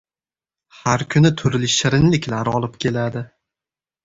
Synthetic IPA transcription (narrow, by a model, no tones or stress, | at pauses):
haɾkʲʰʊnɪt̪ʰʊɾlɪʃɪɾɪnlɪkʲʰlaɾɒlˠɪpkʲʰe̞lad̪ɪ